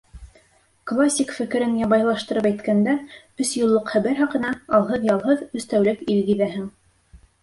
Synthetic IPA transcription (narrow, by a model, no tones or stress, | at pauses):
klˠasʲːikfɘ̆kɘ̆ɾɘnjɑβɑjlˠɑʃt̪ɤ̆ɾɤpæjt̪kænd̪æ | ɵsjŏlˠːɤqχæβæɾhɑqɤ̆nɑɑlˠɦɤðjɑlˠɦɤðʉst̪æwlɘkilɡiðæɦɘŋ